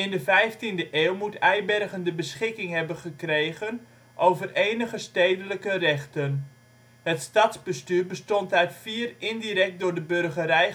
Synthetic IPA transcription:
ɪndəvɛjftindəʔeːlˠmutɛjbɛrɣəndəbəsχɪkɪŋɦɛbənχəkrejɣən | ʔowvəreːnəχəstejdələkərɛχtən | hətstɑtzbəstyːrbəstɔntaɥtfiːərɪndiɾɛk̚t̚dʊːɹdəbørɣəɾɛj

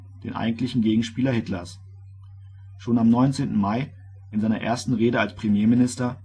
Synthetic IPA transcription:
d̥ḛːnʔa̰ɪɡŋ̩tlɪçn̩ɡeːɡŋ̩ʃpiːlɐhɪtlɐs | ʃoːnamnɔʏnt͡seːntn̩maɪ | ʔɪnzaɪnɐʔḛːɐstn̩ʁeːɾəalspʁ̥emjeːmɪnɪstɐ

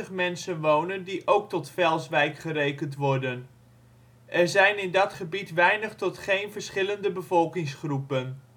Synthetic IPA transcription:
əχmɛnsənʋownəndiʔowk̚tɔtfɛlˠsʋɛjkχərejkəntʋɔɹdən | ʔɛɹzɛjnɪndɑtχəbitʋɛjnəχtɔtχejnvəɹsχɪləndəbəvɔlˠkɪŋsχrupən

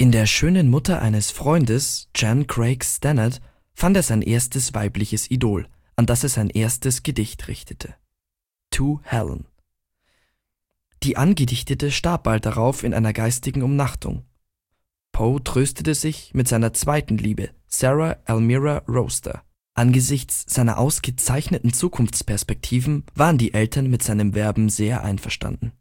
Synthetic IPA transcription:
ʔɪndeːɐʃøːnənmʊtɐʔa̰ɪnəsfʁ̥ɔʏndəsd͡ʒ̥ankʁ̥eɪkstɛnɐt | fanteːɐzaɪnʔḛːɐstəsv̥aɪplɪçəsidoːl | ʔandaseːɐzaɪnʔeːɐstəsɡ̥ədɪçtʁɪçtʰə̥tʰə̥ | tʰuːhɛ̰l̰n | d̥iːʔanɡədɪçtətəʃtaɐp̚balt̚d̥aʁaʊfɪnʔa̰ɪnɐɡaɪstɪɡŋ̩ʊmnaχtʰʊ̰ŋ | pʰotʁ̥øːstətəzɪçmɪtz̥aɪnɐt͡sv̥aɪtn̩liːbəsɛʁaʔɛlmiʁaʁoʊstʰɐ̰ | ʔanɡəzɪçt͡sz̥aɪnɐ̰ʔaʊsɡ̥ət͡saɪçnətn̩t͡suːkʰʊnft͡spʰɛɐspɛk̚tʰiːvn̩vaːʁəndiːʔɛltʰɐnmɪtz̥aɪnəmvɛɐbm̩zeːɐʔa̰ɪnfɛɐʃta̰ndn̩

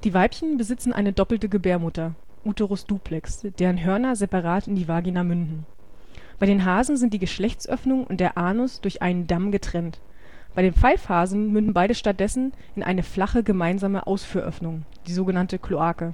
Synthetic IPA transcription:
d̥iːvaɪpçənbəzɪt͡sn̩ʔa̰ɪnədɔpl̩təɡəbeːɐmʊtɐ | ʔuːtoʁʊsd̥uːpʰlɛksd̥eːʁənɦœɐnɐzɛpaʁaːtɪndiːvaːɡinamʏndn̩ | b̥aɪɾeːnɦaːzn̩zɪnt̚d̥iːɡəʃlɛçt͡sʔœ̰fnʊŋʊ̰nt̚d̥eːɐʔaːnɔsd̥ʊɐçʔa̰ɪnəndamɡətʁ̥ɛnt | b̥aɪdeːnp͡faɪlfhaːzn̩mʏndn̩baɪɾəʃtat̚d̥ɛsn̩ʔɪnʔa̰ɪnəflaχəɡəmaɪnzaːməʔa̰ʊsfyːɐʔœ̰fnʊŋ | d̥iːzoːɡənantəkʰloaːkə

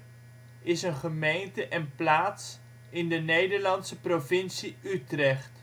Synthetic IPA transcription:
ɪsənχəmejntəʔɛnplaːts | ɪndənejdəɹlɑntsəprovɪnsiytrɛχt

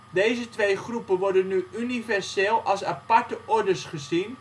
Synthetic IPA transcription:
dejzətʋejχrupənʋɔɹdənːyynivɛɹseːlˠɑlˠsapɑɹtəʔɔɹdəsχəzin

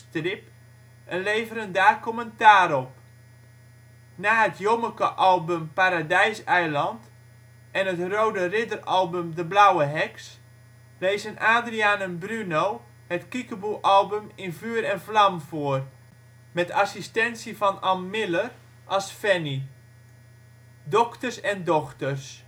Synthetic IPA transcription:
trɪp | ənlejvəɾəndaːkoməntaːɾɔp̚ | naːɦətʰjoməkəʔɑlˠbømpaɾadɛjsɛjlɑnt | ʔɛnətrowdərɪdərɑlˠbømdəblawəɦɛks | lejzənaːdriaːnənbrynow | hətkikəbukʔɑlˠbəmɪnvyːɾɛnflamvʊər | mɛtʰasistɛnsivɑnɑmːɪlər | ʔɑsfɛni | dɔktərsɛndɔxtərs

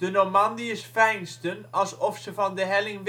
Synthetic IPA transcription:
d̥ənomɑndiəsfɛjnstənɑlˠsɔfsəvɑndəɦɛlɪŋʋ

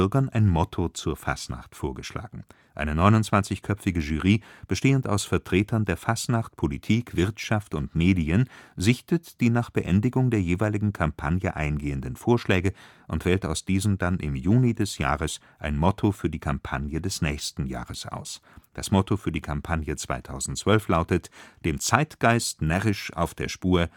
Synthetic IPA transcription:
ɐɡɐnʔaɪnmɔtʰot͡suːɐfa̰sna̰χtfoːɐɡəʃla̰ːɡŋ̩ | ʔa̰ɪnənɔʏnʊntt͡sv̥ant͡sɪçkʰœpp͡fɪɡəʒyːʁiːb̥əʃteːənta̰ʊsfɛɐtʁ̥eːtʰɐndeːɐfasnaχt̚pʰolitʰiːkv̥ɪɐtʃaftʊntmeːdiənzɪçtətd̥iːnaːχb̥əʔɛndɪɡʊŋdeːɐjeːvaɪlɪɡŋ̩kʰampʰanjəʔaɪnɡeːəndənfoːɐʃlɛːɡə | ʔʊntv̥ɛːltaʊsd̥iːzəm̩danʔɪ̰mjuːnidɛsja̰ːʁəs | ʔaɪnmɔtʰofyːɐdiːkʰampʰanjədɛsnɛːçstn̩ja̰ːʁəsʔa̰ʊsd̥a̰smɔtʰofyːɐdiːkʰampʰanjət͡sv̥a̰ɪtʰaʊzn̩tt͡sv̥œlflaʊtətd̥eːmt͡saɪtɡ̥aɪstnɛʁɪʃʔa̰ʊfd̥eːɐʃpuːɐ

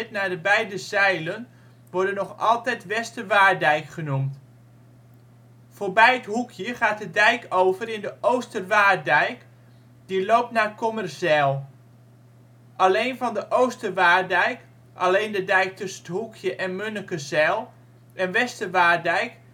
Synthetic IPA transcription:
tnaːdəbɛjdəzɛjlən | ʋɔɹdənɔχɑlˠtɛjtʋɛstəʋaːɹdɛjkχənumt | foːɹbɛjətɦukʰjəχaːt̚dədɛjkoːvərɪndəʔowstəʋaːdɛjk | d̥iloːp̚tnaːkɔmərsɛlˠ | ʔaleːnvɑndəʔowstəʋaːrdɛjk | ʔa̰lejndədɛjk̚tɵsənəthukʰjəʔɛnmønəkəzɛlˠ | ʔɛnʋɛstəʋaːɹdɛjk

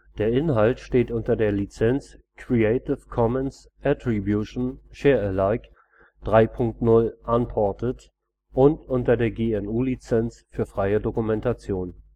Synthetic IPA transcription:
d̥eːɐʔɪnɦaltʃteːtʔʊntɐdeːɐlit͡sɛnt͡skʰʁ̥ieɪtɪfkʰɔmɛns | ʔatʁ̥ibjuʃn̩ʃeːɐɛlaɪk | d̥ʁaɪpʰʊŋk̚tnʊlʔanpʰɔɐtət | ʔʊntʔʊntɐdeːɐɡeːɛnuːlit͡sɛnt͡sfyːɐfʁ̥aɪədokumɛntat͡sjoːn

